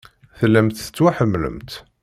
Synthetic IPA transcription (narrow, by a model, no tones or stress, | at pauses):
θəlːæmt̪θə̥t͡sːwaħəmːlə̰mt̪